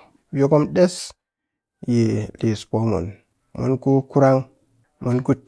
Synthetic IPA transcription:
bo˦ko˦mɗe˦s | je˨li˨spo˨˦mo̰˨n | mṵ˨nku˦ku˦ɾa˦ŋ | mu˨nku˦

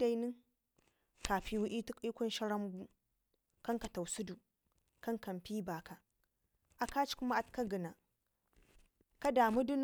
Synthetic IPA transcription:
da˨jni˦ŋ | ka˨ɸi˦wu˦ʔi˦tu˦kʼi˦kʷu˦nʃa˦ɾa˦mɡu˦ | ka˦ŋka˨ta˨wsu˦du˨ | ka˦ŋka˨mpi˦ba˨ka˨ | ʔa˨ka˦t͡ʃi̥˦ku˦ma˦ʔa˨tka˦ɡə˨na˨ | ka˦daː˨mu˦du˦n˦

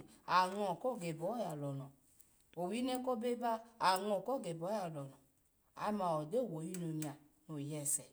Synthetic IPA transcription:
a˨ŋɔ˨kɔ˦˨ɡe˨bɔ˨˦ja˨lɔ˨nɔ˨ | o˨wi˦ne˦ko˦be˦ba˦a˨ŋɔ˨kɔ˦˨ɡe˨bɔ˨˦ja˨lɔ˨nɔ˨ | a̰˨˧ma˨ɔ˨de˦˨wo˨ji˧no˨ɲ˨a˨ | no˨jɛ˨sɛ˨

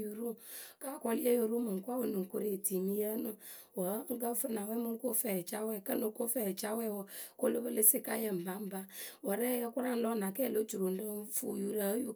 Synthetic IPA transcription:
ju˨ɾu˦ka˦˨kɔ˦li˦e˦ju˨ɾu˦mɨ˨ŋ˨kʷa˦wə˨nɨ˨ko˦ɾe˨ti˨mi˦jə˦nɨ˦ | wə˨˦ŋ̩˦ɡə˦fɨ˦na˨wɛ˦mɨ˦ŋ˦ko˦fɛ˨t͡ʃa˦wɛ˨kə˦no˨ko˦fɛ˨t͡ʃa˦wɛ˦wɔ˨ko˦lo˦bə˦lə˦si˦ka˦jə˨m̩˨ba˨˦m̩˦ba˦wə˨ɾɛ˦jə˦ku˦ɾa˦lɔ˦na˨kɛ˦˨lo˦d͡ʒu˨ɾo˨n˦də˦fu˦˨ju˦ɾə˦ju˦

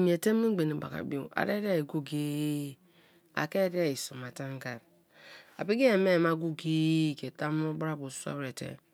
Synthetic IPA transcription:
mi˨e˨te˦m˦i˦ɡ͡be˨ni˨ba̰˨ka̰˨bi˦o̰˦˨a̰˨ɾe˦ɾa˦i˨ɡu˦ɡe˦ | a̰˨ke˦ɾi˦a˦i˨so˨ma˨ta˦ŋ˦ɡa˨ɾ | a̰˨pi˦ɡe˦e˨me˦˨ma˦ɡu˦ɡe˦˨ke˨ta˦m˦o˦bɾa˦bu˨su˦a̰˦wɾe˨tḛ˨

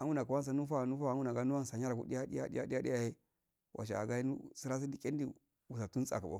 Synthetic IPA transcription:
a˨˦u˦na˨ku˨wa˦ns̬a˨nu˦fa˦˨nu˦fa˦˨˦u˦na˨ɡa˦u˦wa˦n˨sa˨ɲa˦ɾa˨kṵ˦di˦ja˦dḭ˦ja̰˦dḭ˦ja̰˦ɗi˦ja˦di˦ja˨je˦ | wʔa̰˨ʃ̬a̰˨a̰˨ɡa˦i˦nṵ˦si˦ɾa˦s̬i˦di˦ke˦n˦di˦ | wu˨s̬a˨tu˦t͡sa̰˨ka˨bo̰˦

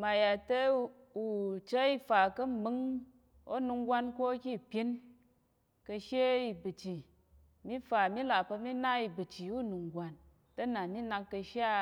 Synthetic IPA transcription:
ma˨ja˨tɐ˦ | u˨t͡ʃə˦i˦fa˨kɐ˦m̩˨mɨ˨˦ŋ | o˦nu˧ŋɡʷa˧nko˦kʲi˦˨pʲi˦n | kə˧ʃe˦i˧bɨ˨t͡ʃi˨ | mi˦fa˨mi˦la˨pɐ˧mi˦na˦i˨bɨ˨t͡ʃi˨u˦nu˨ŋɡʷa˨n | tɐ˦na˨mi˦na˧ŋkːə˧ʃa˦

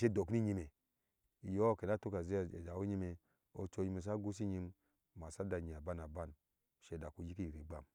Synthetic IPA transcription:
ʃe˦do˨ki˦ɲi˧me˨ | jo˦˨ke˨na˦to˦ka˨ze˦˨d͡ʒa˨wo˦ɲi˧˦me˨ | o˧t͡ʃo˧˦ɲi˧˦me˧˨s̬a˦ɡu˦s̬i˦ɲi˧m | ma˨sa˦da˧˨ɲi˨a˨ba˦na˨ba˦n˨ | ʃe˧˨da˨ku˨˧ji˦ki˦i˨ɾi˨ɡ͡ba̰˨m

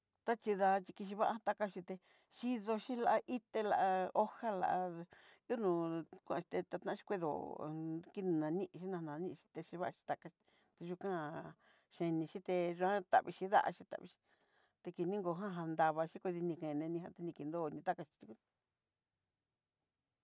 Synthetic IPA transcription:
t̪a˦t͡ʃi˧ða˧t͡ʃi˧ki˧ʃ̬i˧βa˦ʔa˧˦a˦˧t̪a˧ka˧ʃi˧t̪e˧ | ʃi˧ðo˧ʃi˦la˧ʔa˧ʔi˦t̪e˧la˧˨ʔa˧o˦ha˦la̰˧ʔa˧ | u˦nũ˧kʷũ˦ʔʃi̥˧t̪e˧t̪a˧t̪ã˦ʃi̥˧kʷi˦ðo̰˨ | ki˦ñ˧nã˨˧nĩ˦ʔʃi˦nã˧nã˧nĩ˧ʃi̥˧t̪e˧ʃi˧βa˦˧ʃi̥˧t̪a˧ka˧i˧ | t̪e˧ʒu˧kã˦˧ | ʃẽ˧nĩ˧ʃi˦t̪e˧ʒu˧ã˦t̪a̰˨βi˧ʃi˧ða̰˦ʔa̰˧ʃi˧t̪a̰˨βḭ˧ʃi̥˧ | t̪e˧ki˧nĩ˦ŋɡo˧˨ɦã˦ɦa˧nd̪a˧βa˧ʃi˦kʷi˧ði˧nĩ˧kẽ˨˧nẽ˧nĩ˧hã˦t̪e˧nĩ˧ki˧nd̪o˦˨˧nĩ˧t̪a˦ka˧ʃi̥˧t̪u˧ku˦

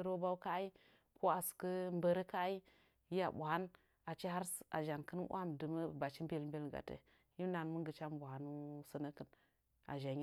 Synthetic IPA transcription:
ɾo˦ba˦ka˦i˦ | ko˦a˨su̥˨kə˦m˦bə˦ɾe˦ka˦i˦ | i˦a̰˨bu˨ha˦n | a˨t͡ʃi˦ɦa˦ɾsa̰˨ʒa˨nkə˦n˦ʔʷa˦mdɨ˨mə˦ba˨t͡ʃi˦m˦be˦lm˦be˦lɡa̰˨tə̰˨ | ji˦m˦na˨n˦mu˦ŋɡə˨t͡ʃa˦mbu˨ha˨nu˦sə˦nə˦kɨ˨n | a̰˨ʒa˨ɲ˦

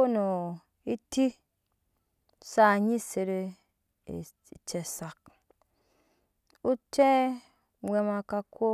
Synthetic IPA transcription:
o˦no˨ | i˦ti˦ | sa˦˨ɲi˦se˨ɾḛ˨˧˨ | t͡ʃe˨sa˨k̚ | u˦te˦ | wʷe˧ma˧ka˧kʰo˦

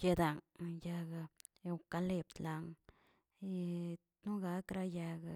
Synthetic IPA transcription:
ke˧d̪a˨ŋja˧ɡa˧ | e˧wka˧le˧˨p̚t̪la˧ŋ | nu˦ɡa˧˦kɾa˧ja˧ɡa˧

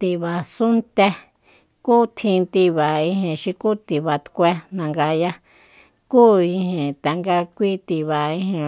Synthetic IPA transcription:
t̪i˨βa˨su˦nt̪e˧ | ku˦t̪ʰĩ˧t̪i˧βa˨ĩ˧ɦẽ˨ʃĩ˧ku˦t̪i˨βa˨t̪kʷe˧nã˧ŋɡa˧ja˦ | kuː˦ĩ˧hẽ˨t̪a˨ŋɡa˧kʷi˦t̪i˧βa˨ĩ˧hẽ˧

